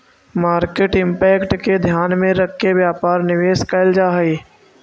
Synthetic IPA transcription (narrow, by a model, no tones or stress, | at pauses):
maːɾkeʈɪ̃mpɛːkʈked̪ʱjaːnmẽɾəkʰːeʋjaːpaːɾnɪʋeːskɐld͡ʒaːɦiː